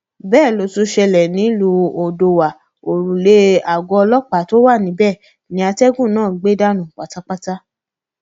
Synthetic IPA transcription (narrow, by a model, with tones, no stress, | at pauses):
bɛː˦˨lo˨˦tu˧˦ʃɛ˧lɛ˨nĩ˨˦lu˨˧˦o˨do˧wa˨ | o˨ɾũ˨le˧˦a˨ɡɔ˧ɔ˧lɔ˦k͡pa˨˦to˦wa˦˨nĩ˨˦bɛ˦˨ | nĩ˧˦a˧tɛ˦ɡũ˦˨nãː˦˨ɡ͡be˦da˦nũ˦˨wa˨ta˨˦k͡pa˦ta˦